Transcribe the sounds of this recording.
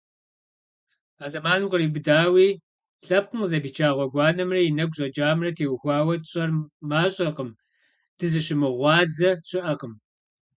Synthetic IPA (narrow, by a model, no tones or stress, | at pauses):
aːzɐmaːnɨqəriːbɨdaːwiː | ɬɐp̚qəmzɐbiːt͡ʃʰaːʁʷɔɡʷɑːnɐmrɐjinɐɡʷɕʼɐd͡ʒaːmrɐtʰeːwxʷɑːwɐtɕʼɐrmaːɕʼɐqəm | d̥ɨzɨɕɪmɨʁʷɑːzɐɕʼɪʔɐqəm